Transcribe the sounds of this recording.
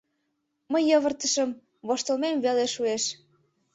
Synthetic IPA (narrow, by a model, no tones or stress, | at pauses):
məjːəβə̆rt̪ə̆ʃə̆m | βoʃt̪olmemveleʃueʃ